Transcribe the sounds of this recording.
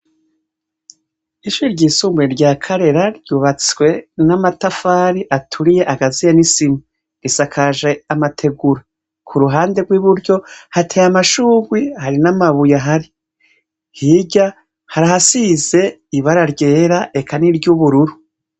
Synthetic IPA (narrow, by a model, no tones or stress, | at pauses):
iʃuɾiɾɟiːsuːmbweɾɟaːkʰaɾe̞ɾaɾɟuːβat͡swe̞namatafaɾiʔatʰuɾije̞ʔaɡazijanisimi | ɾisakʰaʒe̞amatʰe̞ɡuɾa | kʰuɾuɦaːnde̞ɡwiβuɾɟo̞hatʰejamaʃuːɡwihaɾinamaβujaɦaɾi | hiɟa | haɾaɦhasize̞ | iβaɾaɾɟe̞ːɾaʔe̞kʰaniɾɟuβuɾuɾu